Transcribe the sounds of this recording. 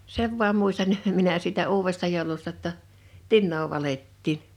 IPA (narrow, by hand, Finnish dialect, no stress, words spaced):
seʋ ʋoɑm muistɑn minæ siːtæ uːwestɑ joˑulustɑ tːɑ tinːoː ʋɑletːiːn